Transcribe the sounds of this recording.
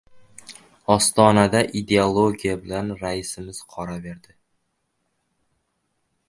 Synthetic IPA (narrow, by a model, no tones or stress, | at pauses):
ɒst̪ɒnad̪aʔid̪e̞olˠoɡʲijabɪlanɾaɪsɪmɪz̥qʰɒɾave̞ɾd̪ɪ